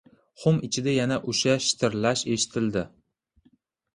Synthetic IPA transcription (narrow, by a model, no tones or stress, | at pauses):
χʊmɪt͡ʃʰɪd̪ajanaʔʊʃaʃɪ̥t̪ʰɪɾlaʃe̞ʃɪ̥t̪ʰɪld̪ɪ